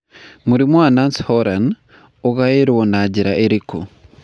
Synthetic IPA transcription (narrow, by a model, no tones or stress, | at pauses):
muɾimwaːnanshoɾan | oɣajeɾiwonaɟiɾaʔeɾiko̰